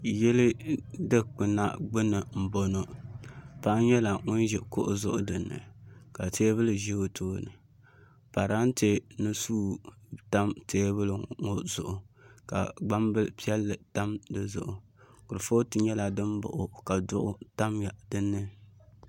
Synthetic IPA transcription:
jɛ˦lɨ˦dɨ˦k͡pɨ˨na˦ɡ͡bɨ˦nɨ˨m̩˨bo˦no˨ | pa˦ʔɲɛ˦la˨ŋʊ˦n˦ʒɛ˨kʊ˦ʔʊ˨zʊ˦ʔʊ˦dɨ˨nːɨ̰˨ka˨teː˦βɨ˦lɨ˨ʒi˦o˨tʰoː˦nɨ˨ | pa˨ɾa˦n˦te˦nɨ˦suː˦ta˦mtʰeː˦bɨ˦lɨ˨ŋo˦zʊ˨ʔʊ˨ka̰˨ɡ͡ba˦mbɨ˦lpi˦ɛ˦lːɨ˨ta˦mdɨ˦zʊ̰˨ʔʊ˨ | kʊ˨ɾɨ˨fo˦tɨ˨ɲɛ˦la˨dɨ˦mbʊ̰˨ʔʊ˨ka˨dʊ̰˦ʔʊ̰˦ta˦mja˨dɨ˦nːɨ˦

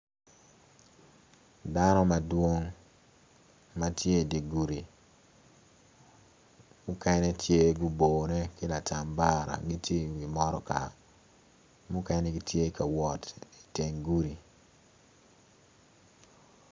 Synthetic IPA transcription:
da˦nɔ˦ma˨dwo˦ŋ | ma˦tʰje˦i˨di˨ɡu˨ɾi˨ | mʊ˦kɛ˦nɛ˦tje˦ɡʊ˦bo˨nɛ˦kɪ˦la˨ta˨mba˦˨ɾa̰˨ɡi˦tje˦wi˨mɔ˦ɾɔ˦ka̰˨ | mʊ˦kɛ˦nɛ˦ɡi˦tje˦kʰa˨wɔ˨ti˨te˨ŋɡu˦ɾi˨

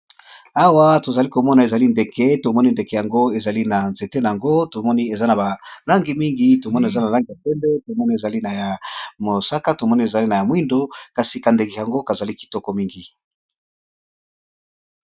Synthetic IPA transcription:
a˦wa˦to˨za˨li˦ko˨mɔ˦na˨e˨za˨li˦nde˨kʰɛ˦to˨mɔ˦ni˦nde˨ke˨ja˨ŋɡo˦e˨za˨li˦na˨nze˨te˦na˨a˨ŋɡo˦to˨mɔ˦ni˦e˨za˦na˨ba˨la˦ŋɡi˨mi˦ŋɡi˦to˨mɔ˦n˨e˨za˦na˨la˦ŋɡi˨ja˨pɛ˦mbe˦to˨mɔ˦ni˦e˨za˨li˦na˨ja˨mo˨sa˦ka˦to˨mɔ˦ni˦e˨za˨li˦na˨ja˨mwi˦ndo˦ka˨si˨ka˨nde˨ki˨ja˨ŋɡo˦ka˨za˨li˦ki̥˨tɔ˦kɔ˨mi˦ŋɡi˨

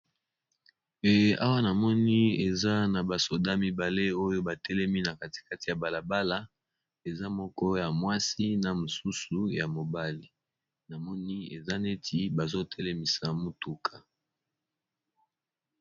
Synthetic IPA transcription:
a̰˦wa˦na˨mɔ˦ni˦e˨za˦na˨ba˨so˨da˦mi˦ba˨le˦o˦jo˦ba˨tɛ˦lɛ˦mi˦na˨ka˦ti̥˨ka˦ti˨ja˨ba˨la˨ba˦la˦ | e˨za˦mɔ˦kɔ˦ja˨mwa˦si˦na˨mo˨su˦su˨ja˨mo˨ba˦li˨ | na˨mɔ˦ni˦e˨za˦ne˦tʰi˦ba˨zo˦tʰɛ˦lɛ˦mi˨sa˨mo˦tu˨kʰa˨

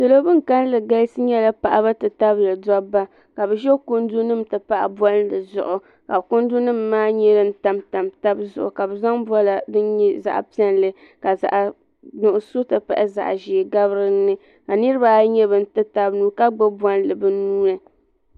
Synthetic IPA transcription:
tɨ˨lo˦bɨ˦ŋ̩˨ka˦n˦lɨ˨ɡa˦sɨ˦ɲɛ˦la˦pa˨ʔa˨ba˦tɨ˨ta˦blɨ˨dɔ˦bːa˦ | ka˨bɛ˨ʒɛ˦ko˦ndu˦nɨ˦m˨tɨ˨pa˦ʔa̰˨bɔ˦n˦lɨ˨zʊ̰˨ʔʊ˨ | ka˨bko˦ndu˦nɨ˦mːaː˦ɲɛ˦dɨ˦n̩˦ta˨mta˨mta˦bzʊ˨ʔʊ̰˨ka˨bɨ˨za˦ŋbɔ˦la˨dɨ˦nɲɛ˦za̰˨ʔpi˦ɛ˦nlɨ˦ | ka˨za̰˨ʔ | nʊ˨ʔʊ˨so˦tɨ˨pa̰˨ʔa˦za̰˨ʔʒi˨ɡa˦bɾɨ˦nːɨ˦ | ka˨nɨ˦ɾɨ˦ba˨˦ɲɛ˦bɨ˨n̩˦tɨ˦ta˦bnuː˦ka˦ɡ͡bɛ˦bwɔ˦n˦lɨ˨bɨ˦nuː˦nɨ˨

